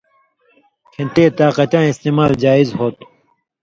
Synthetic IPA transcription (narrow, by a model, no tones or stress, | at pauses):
kʰẽnt̪eːt̪aːqɐt͡ɕãːist̪eːmaːld͡ʑaːizɦoːt̪